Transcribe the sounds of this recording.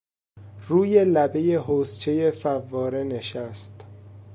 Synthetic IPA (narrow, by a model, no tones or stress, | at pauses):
ruːje̞læbe̞jeɦoːst͡ʃʰe̞jefævːɒːɾene̞ʃæst̪